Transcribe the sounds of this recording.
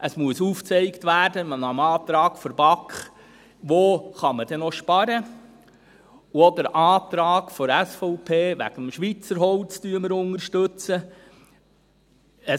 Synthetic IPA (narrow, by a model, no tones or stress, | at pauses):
ʔəsmuəsuːft͡sɛɪktʋæːɾdəmənɑmɑːt̪ɾɑːkfɔɾb̥ɑkχ | ʋoːχɑməd̥ɛnoʃpɑɾə | uod̪əɾʔɑːt̪ɾɑːɡ̥fɔɾæsfɔʊpʰeːʋæ̰ɡ̥əmʃʋit͡səɾɦɔlt͡styːəməɾʊnəɾʃtɵt͡sə | ə